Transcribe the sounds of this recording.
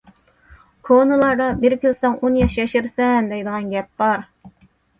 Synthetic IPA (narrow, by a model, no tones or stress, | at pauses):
kʰonɨlˠɑɾd̪ɑbɪɾkʲilsoŋonjɑʃjɛʃɪɾsɛnd̪ɛjd̪əʁɑnɡʲɛp̚bɑɾ